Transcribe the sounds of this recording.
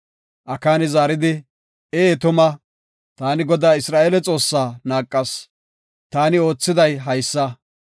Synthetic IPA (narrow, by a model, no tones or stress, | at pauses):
ʔɐkaːnɪzaːɾɪd̪ɪ | eːt̪ʊmɐ | t̪aːnɪɡɔd̪aːɪsɾaːʔeːlɛt͡sʼo̞ːsːaːnaːkʼːɐs | t̪aːnɪo̞ːt͡sːɪd̪ɐjɦɐjsːɐ